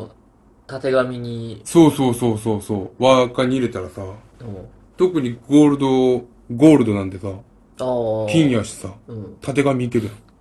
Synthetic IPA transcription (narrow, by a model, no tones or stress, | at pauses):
t̪at̪e̞ɡamʲiɲ̟iso̞ːso̞ːso̞ːso̞ːso̞ːβakaɲ̟iiɾe̞t̪aɾasa | o | t̪o̞kɯ̟ɲ̟iɡo̞ːɾɯ̟d̪o̞ | ɡo̞ːɾɯ̟d̪o̞nãnt̪̬e̞saː | akʲĩɰ̃jaɕt̪e̥saɯ̃t̪ʰat̪e̞ɡamʲiːt̪e̞ɾɯjã